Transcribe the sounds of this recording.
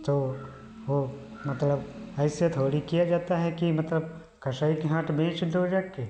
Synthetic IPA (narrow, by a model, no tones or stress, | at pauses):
t̪oː | ʋo | mɐt̪ləbɛːset̪ʰoːɽikijad͡ʒaːt̪aɦɛkimɐt̪ləb̚ | kɐʃaːikeɦãːʈʰbẽːt͡ʃd̪od͡ʒakːeː